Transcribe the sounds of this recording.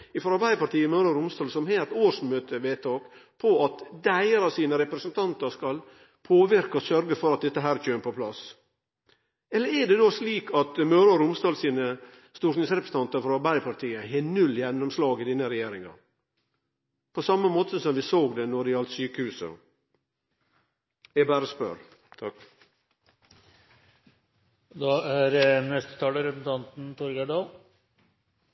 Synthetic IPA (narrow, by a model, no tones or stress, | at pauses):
ɪfɔɾɑɾbæɪd̪əpɑɾʈ̪iːəmøːɾɑɾʊmst̪ɑːlsɔmheːt̪oːɾʂmøːt̪ʰəʋeːt̪ʰɑːkpʰɔɑt̪d̪æɪəɾɑsiːnəɾɛpɾɛsənt̪ʰɑnt̪əɾskɑl | pʰoːʋɪɾkɑsœɾɡəfɔɾɑt̪̚d̪ɛt̪ːəɦæːɾc͡çøːnpʰɔpʰlɑs | ɛlːəɾɛɖɛd̪oːsliːkʰɑt̪møːɾɑɾʊmst̪ɑːlsiːnə | st̪uʂnɪŋsɾɛpɾəs̩n̩t̪ɑnt̪əɾfɔɾɑɾbæɪpʰɑɾt̪ʰiːəhɛnʉljɛnːɔmslɑːɡɪd̪inəɾɛjeːɾɪŋɑ̰ | pʰoːsɑməmoːt̪əsɔmʋisoːɡd̪ɛnɔɾɪɑlt̪syːkəhʉːsə̰ | jɛbæːɾəspœ̰ɾ | t̪ʰɑk | d̪ɑæɾnɛst̪ə̥t̪ʰɑːləɾɛpsn̩t̪ʰɑnt̪n̩t̪ʰɔɾɡæɖɑːl